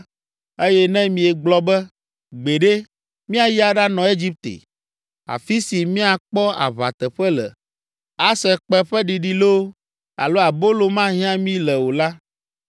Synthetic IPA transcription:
e˦jɛ˦nɛ̃˦mĩ˨ɛ˨ɡ͡blɔ˦bɛ˦ | ɡ͡be˨ɖe˦ | mĩ˦a˨ji˦a˨ɖa˦nɔ̃˨e˦d͡ʒi˦p̚t̪ḛ˨ | a̰˨fi˦si˨mĩ˦a˨k͡pɔ˦a̰˨βa̰˨t̪ɛ˨ɸɛ˦lɛ̰˨ | a˦sɛ˨k͡pɛ˦ɸɛ˦ɖi˨ɖi˨lo˦ | a̰˨lo˦a˨bo˦lo˨mã˦ɦĩ˦ã˦mĩ˦lɛ˨wo˨la˦

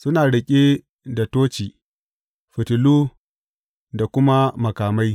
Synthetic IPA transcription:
sʊ˦naː˨ɽɪ˦kʲʼe˦ | da˨toː˦t͡ʃiː˨ | ɸɪ˨tɪ˨luː˦ | da˨kʷʊ˦ma˦mɐ˨kaː˨ma˦j

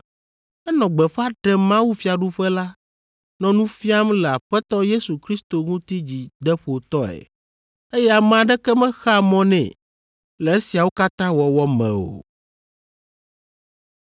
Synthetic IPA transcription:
ɛ˦nɔ̃˨ɡ͡bɛ˨ɸa˦ɖɛ˨mã˦wu˦fi˦a˨ɖu˦ɸɛ˦la˦ | nɔ̃˨nũ˦fi˦a˦mlɛ˨a˨ɸɛ˦t̪ɔ˦je˦su˨kɾi˦st̪o˨ŋũ˦t̪i˦d͡ʑi˨d̪ɛ˦ɸo˨t̪ɔ˦ɛ̰˨ | e˦jɛ˦a˨m̃˨ã˨ɖɛ˦kɛ˦mɛ̃˦xa˦mɔ̃˦nɛ̰̃˨ | lɛ˨e˦si˨a˨wo˦ka˦t̪ã˦wɔ˨wɔ˦mɛ̰̃˨o̰˨

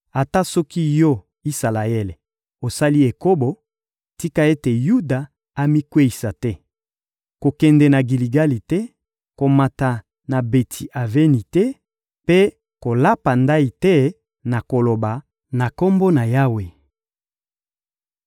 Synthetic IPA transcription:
a˨ta˦sɔ˦ki˦jɔ˦ | i˦sa˨la˨e˦le˨ | o˨sa˦li˦e˨ko˦bo˨ | ti˦ka˦e˦te˨ju˦da˨ | a˨mi˦kwe˦i˨sa˨tɛ˦ | ko˨kɛ˨ndɛ˨na˨ɡi˨li˨ɡa˦li˨tɛ˦ | ko˨ma˨ta˨ | na˨be˨tʰi˨ʔa˨ve˦ni˨tɛ˦ | pe˦ | ko˨la˦pa˨nda˦i˨tɛ˦ | na˨ko˨lo˨ba˨ | na˨ko˦mbo˦na˨ja˦we˨

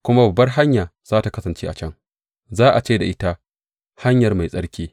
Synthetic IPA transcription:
kʷʊ˦ma˦bɐ˨bːɐ˦rɦa˦ɲjaː˨z̥aː˦ta˨kɐ˦sɐ˨nt͡ʃeː˦ʔa˨t͡ʃɐ˦ŋ | zaː˦ʔa˨t͡ʃeː˦da˨ʔɪ˦ta˦ | ha˦ɲjɐ˨rma˨jsʼɐ˦ɽkʲeː˦

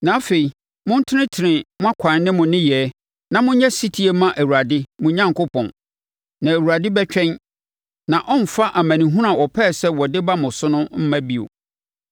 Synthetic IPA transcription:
nã˨a˦fe˨i˨ | mʊ̃˦n̩˦tʰɪ˦nɪ̃˦tʰɪ˨nɪ̃˨mʊ̃˦a˦kʷʰã˨n˦nɪ̃˦mʊ̃˨nɪ̃˦jɛ˨˦ | nã˨mʊ̃˦ɲɛ̃˦si˦tʰi˦e˨mã˦ʔæ˨wu˨ɾa˨dɪ˦mʊ̃˦ɲã˦ŋkʊ˦pʰɔ̰̃˨n | nã˨æ˨wu˨ɾa˨dɪ˦bɛ˦t͡ɕᶣɛ̃˦n | nã˨ʔɔ˦nm̩˨fa˦ʔa˨maæ̃˨nĩ˨ɦũ˦ɾã˨wɔ˨pʰɛː˦˨sɛ˦wɔ˨dɪ˦ba˦mʊ̃˨sʊ˦nʊ̃˦m̩˦mã˦bi˦o̰˨

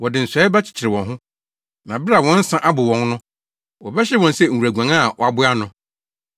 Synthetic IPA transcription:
wɔ˨dɪ˨n̩˨sʷɛ˨˦ba˦t͡ɕʰɪ̥˨t͡ɕʰɪ˨ɾɪ˨wɔ̃˨nɦʊ̃˦ | nã˨bɪ˦a˨wɔ̃˦n̩˦sã˦ʔa˦bʊ˨wɔ̃˨nnʊ̃˦ | wɔ˨bɛ˦ɕɛ˦wɔ̃˨nsɛ˦˨ɾæ˨ɡʷã˨ŋa˦˨wɔ˨a˨bʊ˦a˦nʊ̃˨

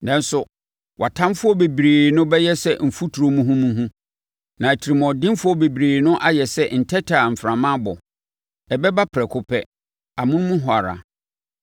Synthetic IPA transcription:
nã˦n̩˦sʊ˨ | wʔa˨tʰã˦mfʊ˦ɔ˦be˨bɾeː˨nʊ̃˦bɛ˦jɛ˦sɛ˦m̩˨fu˦tʰu˨ɾo˨mũ˦ɦũ˦mũ˦ɦũ˦ | nã˨æ˨tʰi˨ɾi˨m˨ɔ̃˨dɪ̃˦m˦fʊ˦ɔ˦be˨bi˨ɾeː˨nʊ̃˦ʔa˦jɛ˨sɛ˦n̩˨tʰɛ˦tʰa˨m̩˨fɾã˨mã˦bɔ˨ | ɛ˨bɛ˦ba˦pʰɾɛ˨kʰʊ˨pʰɛ˦ | a˨mʊ̃˦ñ˦mũ˦ɦʊ˨a˨ɾa̰˨

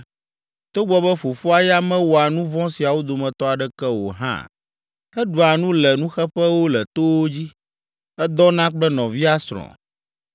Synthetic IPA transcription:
t̪o˦ɡ͡bɔ˨bɛ˦fo˨fu˦a˨ja˦mɛ̃˦wo˨a˨nũ˦vɔ̃˦si˨a˨wo˦d̪o˨mɛ̃˨t̪ɔ˦a˨ɖɛ˦kɛ˦wo˨ɦã̰˦ | ɛ˦ɖu˨a˨nũ˦lɛ˨nũ˦xɛ˦ɸɛ˦wo˦lɛ˨t̪o˦wo˦d͡ʑi˦ | ɛ˦d̪ɔ˦nã˦k͡plɛ˦nɔ̃˨vi˦a˦sɾɔ̰̃˨

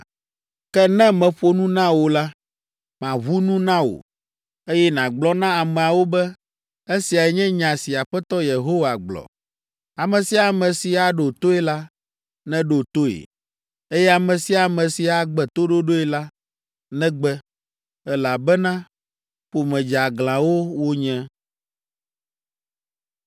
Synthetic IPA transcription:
kɛ˦nɛ̃˦mɛ̃˨ɸo˦nũ˦nã˦wo˨la˦ | mã˨βu˦nũ˦nã˦wo̰˨ | e˦jɛ˦nã˨ɡ͡blɔ˦nã˦a˨mɛ̃˨a˨wo˦bɛ˦ | e˦si˨a˨ɛ˨ɲɛ̃˦ɲã˨si˨a˨ɸɛ˦t̪ɔ˦je˨ɦo˦wa˨ɡ͡blɔ̰˨ | a˨mɛ̃˨si˦a˨mɛ̃˨si˨a˨ɖo˨t̪o˦ɛ˦la˦ | nɛ̃˦ɖo˨t̪o˦ḛ˨ | e˦jɛ˦a˨mɛ̃˨si˦a˨mɛ̃˨si˨a˨ɡ͡bɛ˨t̪o˦ɖo˦ɖo˦ɛ˦la˦ | nɛ̃˦ɡ͡bɛ˦ | ɛ˦la˨bɛ˦nã˦ | ɸo˨mɛ̃˨d͡ʒa˨ɡlã˨wo˦wo˦ɲɛ̃˦

